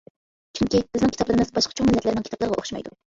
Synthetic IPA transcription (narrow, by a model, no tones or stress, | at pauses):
t͡ʃʰyŋkʲibɪznɪŋkʰʲi̥t̪ɑplˠɨɾɨmɨzbɑʃqʰɑ̥t͡ʃʰoŋmɪlːɛt̪lɪɾɪnɪŋkʰt̪ɑplˠɾʁɑʔo̰χʃmɑjd̪u